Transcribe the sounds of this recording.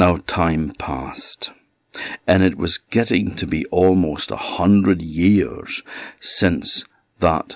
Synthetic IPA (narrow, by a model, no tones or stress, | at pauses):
noʊtʰãɪ̃mpʰæst | ɨ̃nɨt̚wʌzɡɛɾɪ̃ŋtʰɨbiʔɔlˠmoʊstə̰hʌ̃ndɹɨd̚jɪɹz̥sɪ̃ns | ðə̰t